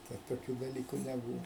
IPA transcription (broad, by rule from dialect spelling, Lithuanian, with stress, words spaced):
ˈtɐt toːˈkʲuː dɐˈlʲiːkʊ nʲɛˈbuːʋɐ